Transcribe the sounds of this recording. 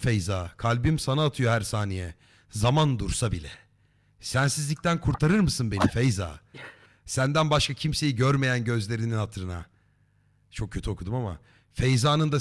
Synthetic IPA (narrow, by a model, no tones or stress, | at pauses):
fejzaːkʰalʲbimsanaːt̪ʰɯjo̞ɦæɾsaːnijɛ | zamand̪uɾsabilʲɛ̰ | sænsizlʲic̚t̪ʰænkʰuɾt̪ʰaɾɯɾmɯsɯnbe̞nifejza̰ː | sænd̪ænbaʃkʰacʰimse̞jiɟøɾme̞jænɟø̞zlʲe̞ɾininhat̪ʰɾɯna̰ | t͡ʃʰo̞k̚cʰːø̞t̪ʰio̞kʰud̪umama̰ | fejzaːnɯnd̪a